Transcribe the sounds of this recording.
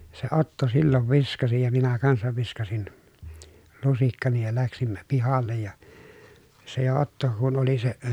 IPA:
jɑ se otːo silːoʋ ʋiskɑsi jɑ minæ kɑnsɑʋ ʋiskɑsin lusikːɑni jɑ læksimːæ pihɑlˑej jɑ se jo otːo kun oli se

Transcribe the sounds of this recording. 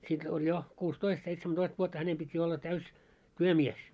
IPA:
sit olʲ jo kuːstoist seitsemætoist ʋuotːɑ hænem pitʲ jo olːɑ tæys tyømies

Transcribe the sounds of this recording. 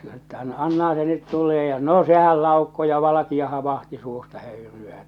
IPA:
etːæ ɑn ɑnːɑhɑ se nyt tulˑeː jɑ no sehæl lɑˑukːo jɑ ʋɑlɑkiɑ hɑ ʋɑhti suːstɑ høyryæː

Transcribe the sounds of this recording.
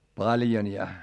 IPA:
pɑljon jɑ

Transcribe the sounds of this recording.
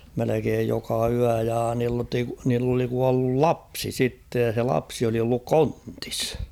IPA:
melekeːj jokɑ yæ jɑ niːl niːlt oli kuɑlːul lɑpsi sitːej jɑ se lɑpsi oli olːuk konti̥s

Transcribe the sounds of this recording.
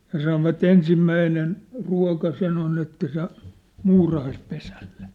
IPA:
jɑ sɑnoʋɑt ensimːæinen ruɑ̝kɑ sen on etːæ se muːrɑhɑispesæll̥e̥

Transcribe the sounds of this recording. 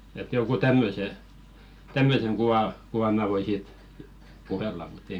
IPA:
et joŋ̞ɡ̊u tæmːøse tæmːøseŋ ɡ̊uw̆ɑ kuʋɑm̆ mæˑ ʋoi siːt puhelːɑ mutː ei

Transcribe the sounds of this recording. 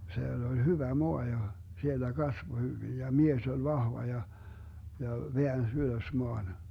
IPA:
sielː olʲ hyʋæ moɑ jɑ sielːæ kɑsʋo hyʋij jɑ mies ol ʋɑhʋɑ jɑ jɑ ʋeæns yløs moɑn

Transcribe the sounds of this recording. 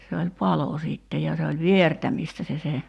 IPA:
se olʲ pɑlo siˑtːe jɑ se olʲ ʋiertæmiˑstæ se se

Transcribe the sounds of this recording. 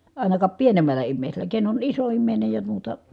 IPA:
ɑˑinɑkɑp pienemælˑæ imːeˑiselˑæ ken on iso imːeˑinej jɑ muːtɑ

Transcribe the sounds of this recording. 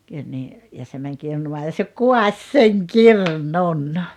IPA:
kylʲ niː jɑ se mæŋ kirnumɑː jɑ se kuɑsʲ seŋ kirnun

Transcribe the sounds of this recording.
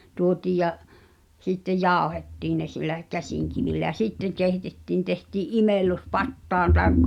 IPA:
tuotiːj̆ jɑ sitːej̆ jɑˑu̞hetːiːn ne silːæ kæsiˑŋkiʋilːæ j̆æ sitːeŋ̆ keˑitetːiˑn tehtiːʔ ʔimelːu̞s pɑtːɑːn tɑˑekːɑ

